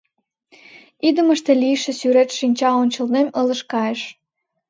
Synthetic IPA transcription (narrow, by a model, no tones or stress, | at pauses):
id̪ə̆məʃt̪elijʃĕsyɾet̪ʃinʲt͡ɕɑonʲt͡ɕə̆lnemələʃkɑjeʃ